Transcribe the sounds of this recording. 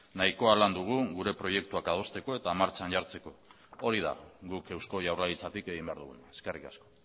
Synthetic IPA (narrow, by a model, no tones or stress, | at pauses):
naiko̞aland̪uɣ̞uɣuɾe̞pɾo̞je̞kt̪uakað̞o̞st̪e̞ko̞e̞t̪amaɾt͡sanʝaɾt͡se̞ko̞ | oɾiða̰ɣuke̞wsko̞ʝawralit͡sat̪ike̞ɣimbe̞a̰ɾð̞uɣunae̞skerikasko̞̥